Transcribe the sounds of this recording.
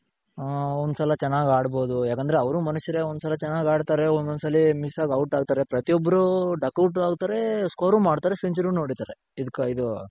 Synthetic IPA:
ond̪usɐlɐt͡ʃɛnːaːɡaːɽbo̞ːd̪ujaːkɐnd̪ɾeɐʋɐɾumɐnuʃɐɾeond̪usɐlɐt͡ʃɛnːaːɡaːɽt̪aːɾeond̪mɐnusɐlːimisaːɡɐwʈaːɡ̚t̪aːɾe̞pɾɐt̪ijɔbːɐɾuɖɐkɐwʈaːɡt̪aːɾe̞skoːɾuːmaːɽt̪aːɾe̞siɲt͡ʃɐɾuːno̞ːɽit̪aːɾe | id̪ukːeid̪u

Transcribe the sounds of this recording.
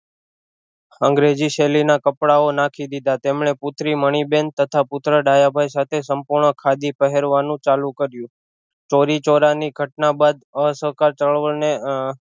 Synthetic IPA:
əŋɡɾed͡ʒiʃelinakəpɽaonakʰid̪id̪at̪emɳepʊt̪ʰɾiməɳ̃iben̚t̪ət̪ʰapʊt̪ɾəɖajabʱajsat̪ʰesəmpuɾɳəkʰad̪ipəɦeɾʋanũt͡ʃalũkəɾjũ | t͡ʃoɾit͡ʃoɾaniɡʱəʈnabad̪əsəɦkaɾt͡ʃəɭʋəɭne

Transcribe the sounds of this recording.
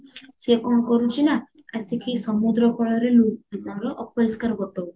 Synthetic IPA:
sekɔmɔkɔɾut͡ʃʰina | kasikisɔmud̪ɾɔkɔɭɔɾelukid̪alɔʔɔp̚ɔɾiskaɾɔɡɔʈɔ

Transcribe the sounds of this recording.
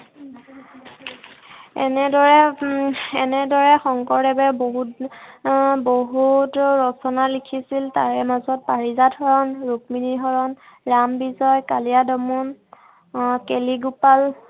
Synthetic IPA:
ɛ̰nɛdɔɹɛ | ɛnɛdɔɹɛxɔŋkɔɹdɛbɛboɦut | boɦutɹɔsɔnalikʰisiltaɹɛmazɔt̚paɹizadhɔɹɔnɹuk̚miniɦɔɹɔn | ɹambizɔjkaliadɔmɔn | keliɡupal

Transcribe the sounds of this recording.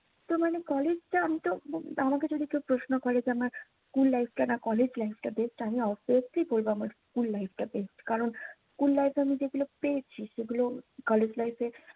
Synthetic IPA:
t̪omanekɔled͡ʑʈaamit̪oamaked͡ʑod̪ʱikewpɾoʃnokɔɾed͡ʑamaɾskulːajfʰʈanakɔled͡ʑlajfʈabesʈamiɔfiəslibolboamaɾskulːajfʰʈabesʈkaɾonskulːajfamid͡ʑeɡulopeet͡ɕʰiʃeɡulokɔled͡ʑlajfe

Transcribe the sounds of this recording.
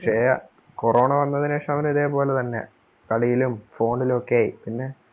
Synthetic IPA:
ʂejɐ | koro̞ːɳɐʋɐnːɐðineːʂɐmɐʋɐnuiðe̞ːpo̞ːlet̪ɐnːe̞̰ | kɐɽijilumfo̞ːɳɖilokːejajḭpinːe̞

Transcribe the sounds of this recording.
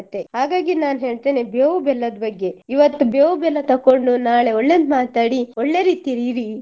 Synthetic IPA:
ɐt̪ːe̞haːɡaːɡinaːnɦe̞ːɭt̪eːnebeːʋubɛlːɐd̪bɐɡːe̞iʋɐt̪ːubeːʋubɛlːɐt̪ɐkːoɳɖunaːɭe̞ɔɭːeːnmaːt̪aːɽiɔɭːe̞ɾiːt̪iɾiɾi

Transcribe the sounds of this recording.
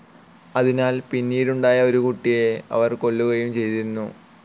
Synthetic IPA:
ɐðinaːlpinːiːɽuɳɖaːjɐo̞ɾukuʈːije̞ɐ̰ʋɐrko̞ɭːuɣɐjumt͡ɕe̞jt̪iɾunːu

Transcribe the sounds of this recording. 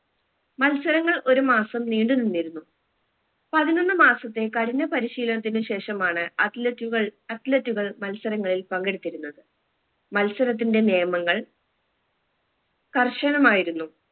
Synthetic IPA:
mɐlsɐɾɐŋːɐɭʔo̞ɾumaːsɐmniːɳɖɨninːiɾunːu | pɐðinonːɨmaːsɐt̪ːe̞kɐɽinːɐpɐɾiɕiːlɐnɐt̪̬ːinɨɕe̞ːʂɐmaːɳɨuɣɐɭɐtletːuɣɐɭmɐlsɐɾɐŋːɐɭilpɐŋɡiɽut̪ːiɾunːɐðɨ | mɐlsɐɾɐt̪̬ːinde̞nejɐmɐŋːɐɭ | kɐrʂɐɳɐmaːjiɾunːu

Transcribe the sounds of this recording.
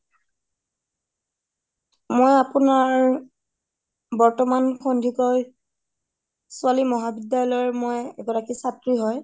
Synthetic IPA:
mojapunaɹ | bɔɹtɔmankʰɔndʱikɔj | sʊalimɔɦabidjaɔlɔɹmojɛ̰ɡɔɹakisatɹiɦɔj

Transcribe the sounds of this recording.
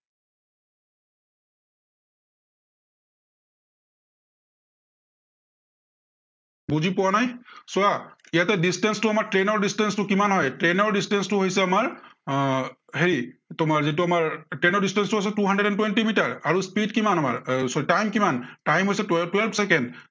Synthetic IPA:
buzipɔwanajsʊaijatɛdistɛnstʊamaɹtɹenɔɹdistɛnstʊkimanɦɔjtɹenɔɹdistɛnstʊɦojsɛamaɹ | heɹitʊmaɹzit̬ʊamaɹtɹenɔɹdistɛnstʊɦojs̬ɛtuɦandeɛɾɛntwentimitaɹaɹuspidkimanama̰ɹstajmkimantajmɦojsɛttwɛlbʰsɛkɛnd

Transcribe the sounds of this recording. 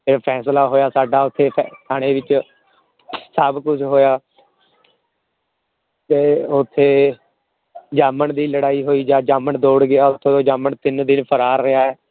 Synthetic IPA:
epʰɛːslaːɦoːjaːsaːɖaːʊt̪ʰːeːpʰt̪ʰaːɽ̃ẽːʋɪt͡ʃ | səbkʊt͡ʃʰɦoːjaː | t̪eːʊt̪ʰːeː | d͡ʒaːməɳd̪iːləɽaːiːɦoːiːd͡ʒaːd͡ʒaːməɳd̪oːɽɡɪaːʊt̪ʰːẽːoːd͡ʒaːməɳt̪ɪnd̪ɪnpʰəɾaːɾːɪaːɛː

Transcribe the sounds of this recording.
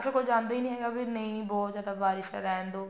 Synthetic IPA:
t͡ʃekod͡ʒãːnd̪aːiːnĩːɦɛːɡabinəɦĩbɔːt̪zjaːd̪abaːɾɪʃa̰ɾɛːɦnd̪oː

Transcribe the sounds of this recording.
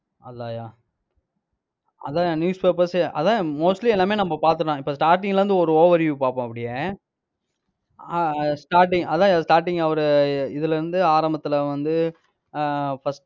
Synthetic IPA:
ɐlːaːjaː | ɐ̰ðãːjaːnjuːspeːpɐɾsɐ̰ðãːmoːsʈliɛlːaːmeːnɐmːɐpaːɾt̪ɯãːɪpːosʈaːɾʈ̬ːɪ̃ŋɡɐlɐɾɯnd̪ɯɔɾɯoːʋɐɾʋjuːpaːpõːɐpːɐɽɪje | sʈaːɾʈ̬ɪ̃ŋɐðãːjaːsʈaːɾʈɪŋɡɐɐʋɐɾɯɪðɪlɪɾɯnd̪ɯaːɾɐmbɐt̪ːɪlɐʋɐnd̪ɯ | fɐsʈ

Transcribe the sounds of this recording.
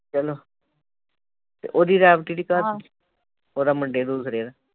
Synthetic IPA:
t͡ʃəloː | t̪ḛːʔoːd̪iːɾɛːpɪʈiːɖiːkaː | oːd̪aːməɳɖeːd̪uːsɾeːd̪aː

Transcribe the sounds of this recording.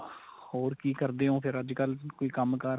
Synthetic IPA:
hoːɾkiːkəɾd̪eːɦõːpʰɪɾəd͡ʒkəlkoːiːkəmkəɾ

